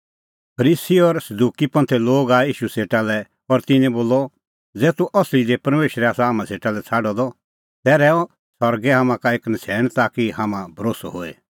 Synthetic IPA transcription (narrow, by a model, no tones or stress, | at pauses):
pʰɐɾiːsiɔɾsɐd̪uːkipɐ̃nt̪ʰɛloːɡaːiːʃuseːʈalɛ | ɔɾt̪ɪ̃nɛ̃boːlɔ | d͡zɛːt̪uʔɔslid͡ʒepɐɾmeːʃɾɛaːsaɦaːmãseːʈalɛt͡sʰaːɖɔd̪ɔ | t̪ɛɾɛːɔ̃ | sɐɾɡɛɦaːmãkaeːknɐt͡sʰɛːɽ̃t̪aːkihaːmãbʱɐɾoːsɔɦoːḛ